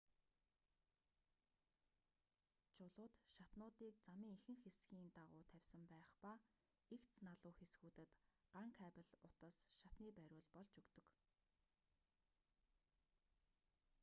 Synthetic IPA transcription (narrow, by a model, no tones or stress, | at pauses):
t͡ɕʰʊɮʊːt̪ʃat̪nʊːt̪iːkt͡samiːŋixɘ̆ŋxesɡiːnt̪aʁʊːt̪ʰæwʲsə̆mpæːχpa | ikt͡snaɮʊːxesɡuːt̪ɘ̆t̪ɢaŋkʰæːpə̆ɮʊt̪ə̆sʃat̪niːpæɾʲʊːɮpɔɮt͡ɕɵkt̪ɵ̆k